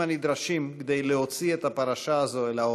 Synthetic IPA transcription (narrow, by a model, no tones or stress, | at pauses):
anid̪ɾaʃimked̪e̞jleho̞t͡siet̪hapaʁaʃaːzo̞elao